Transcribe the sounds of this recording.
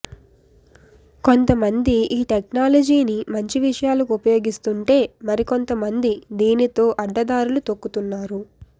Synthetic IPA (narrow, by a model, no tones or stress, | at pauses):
ko̞nt̪ɐmɐnd̪iʔiːʈeknaːlɐd͡ʒiːnimɐɲt͡ʃiʋiʂɐjaːlɐkupɐjo̞ːɡist̪uɳʈe̞ːmɐɾiko̞nt̪ɐmɐnd̪id̪iːnit̪o̞ːʔɐɖːɐd̪aːɾulut̪o̞kːut̪unːaːɾu